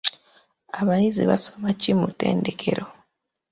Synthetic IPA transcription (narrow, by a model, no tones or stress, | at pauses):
aβajiziβa̰somacimute̞̰ːnde̞kʰe̞̰ɾʔo